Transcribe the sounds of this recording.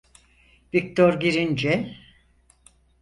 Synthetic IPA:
vik̚t̪ʰoɾɡiɾind͡ʒɛ

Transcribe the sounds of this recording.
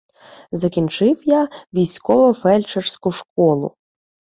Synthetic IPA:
zɐkʲint͡ʃɪwjaʋʲijsʲkɔʋɔfɛlʲt͡ʃersʲkʊʃkɔlˠʊ̰

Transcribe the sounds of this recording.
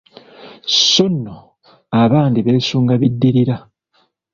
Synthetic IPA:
sonːo | aβaːndiβe̞ːsuːŋɡaβidːiɾiɾa

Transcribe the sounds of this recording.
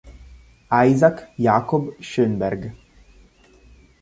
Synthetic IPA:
ajzakjaːkobʃønbɛrɡ

